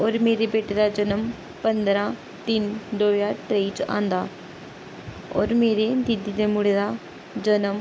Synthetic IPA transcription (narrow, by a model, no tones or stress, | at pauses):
ɔːɾmeːɾebeʈeɾad͡ʑənəm | pənd̪əɾã | t̪iːnd̪oːjaʈɾejt͡ɕã̰nd̪a | ɔ̰ːɾmeːɾed̪id̪id̪emuɽeɾa | d͡ʑənəm